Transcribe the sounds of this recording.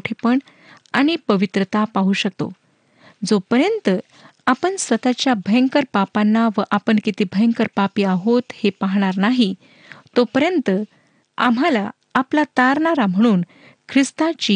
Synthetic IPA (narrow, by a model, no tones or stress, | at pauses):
ʈʰepəɳ | aɽ̃ipəʋit̪ɾət̪apaɦuɕək̚t̪o̰ | d͡zopəɾjənt̪ə | apəɳsət̪at͡ɕjabʱəjəŋkəɾpapanːaʋəʔapəɳkit̪iːbʱəjəŋkəɾpapiːaɦot̪hepaɦɽ̃aɾnaɦi | t̪opəɾjənt̪ə | a̰m̤ala | aplat̪aɾɳaɾam̤əɽ̃uːn | kʰɾist̪at͡ɕi